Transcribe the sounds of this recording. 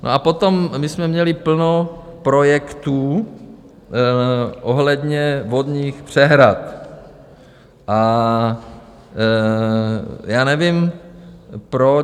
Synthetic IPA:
nʔo̰ʔapo̞t̪omːɪsmɛmɲɛlɪpl̩nopɾojɛkt̪uː | ʔoɦlɛd̪ɲɛvod̪ɲiːxpr̝̥ɛɦɾat̪ | ʔa | jaːnɛvim | pɾo

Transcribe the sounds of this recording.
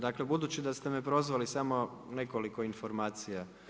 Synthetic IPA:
d̪akle̞bud̪ut͡ɕid̪ast̪e̞mepɾo̞zʋalisamo̞ | ne̞ko̞liko̞info̞ɾmaːt̪sija

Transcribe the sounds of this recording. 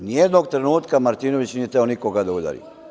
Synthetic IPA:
nijed̪noɡ̚t̪ɾenuːt̪kamaɾt̪iːno̞ʋit͡ɕniːjet̪eonikoɡad̪aud̪a̰ːɾḭ

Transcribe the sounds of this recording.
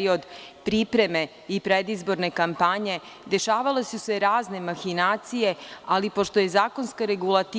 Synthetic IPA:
io̞d̪pɾipɾe̞me̞ | ipɾe̞d̪izbo̞ɾne̞kampaɲe̞ | d̪e̞ʃaːʋale̞suse̞ɾaːzne̞maxinaːt̪sije̞alipo̞ʃt̪o̞je̞zaːko̞nskaɾe̞ɡulat̪i

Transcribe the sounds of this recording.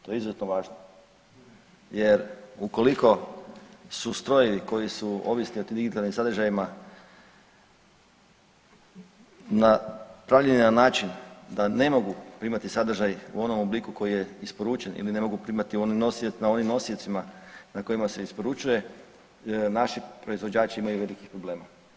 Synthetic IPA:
t̪o̞jeizozet̪noʋaːʒno | je̞ɾuko̞liko̞ | sust̪ɾo̞jeʋiko̞jisuo̞̰ʋisnioiːmd̪iɡit̪alnimsad̪ɾʒajima | napɾaʋʎeninanaːt͡ʃind̪ane̞mo̞ɡupɾimat̪isad̪ɾ̩ʒajṵo̞no̞moblikuko̞jije̞ispo̞ɾut͡ʃenḭline̞mo̞ɡupɾimat̪iuoninosinao̞nimno̞siot̪simanako̞jimase̞ispo̞ɾut͡ʃuje̞ | naʃipɾo̞izʋo̞d͡ʑaːt͡ʃiimajuʋe̞likixpɾoble̞ːma

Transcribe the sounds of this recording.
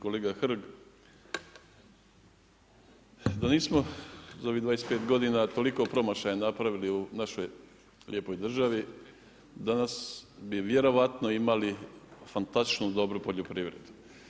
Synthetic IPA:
koleːɡaxr̩ɡ | d̪aniːsmozao̞ʋid̪ajespeːt̪ɡo̞d̪inat̪o̞liko̞pɾo̞maʃajanapɾaʋiliunaʃoj | lʲjepo̞jd̪r̩ʒaʋi | d̪anasbiʋje̞ɾo̞ʋat̪noimalifant̪ast̪i̥t͡ʃnud̪o̞bɾupo̞ʎopɾiːʋɾḛd̪u̥

